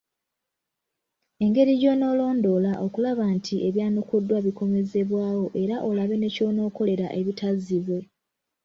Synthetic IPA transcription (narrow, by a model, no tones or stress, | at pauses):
e̞ŋɡe̞ɾiɟo̞no̞ːlo̞ːndo̞ːlaʔo̞kulaβantʰiʔe̞βjaːnukudːwaβiko̞me̞ze̞βwaːwo̞ʔe̞ɾaʔo̞laβe̞ne̞co̞no̞ːko̞le̞ɾa̰ʔe̞βitazːiβwe̞